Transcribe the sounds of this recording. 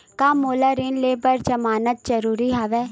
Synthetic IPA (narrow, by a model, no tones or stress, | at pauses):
kaːmːoːlaːɾɪnleːpəɾd͡ʒəmaːnət̪̚d͡ʒəɾuːɾiːɦaːʋɛː